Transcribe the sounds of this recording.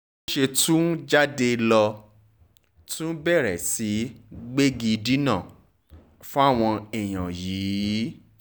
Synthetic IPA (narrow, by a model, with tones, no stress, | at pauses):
o˦ʃe˧tũ˦d͡ʒa˦de˧lɔ˧ | tũ˦bɛ˦˨ɾɛ˨si˨˦ɡ͡be˦ɡi˧di˦nã˦˨ | fũ˦a˦˨w̃ɔ̃˧ɛ˨j̃ã˨jiː˨˦